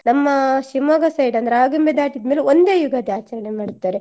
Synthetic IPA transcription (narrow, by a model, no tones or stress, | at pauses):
nɐmːɐʃimoːɡɐsɐjɖɐnd̪ɐɾeaːɡɐmbed̪aːʈid̪meːleond̪eːjuɡaːd̪iaːt͡ʃɐɾɐɳemaːɽt̪ːaːɾe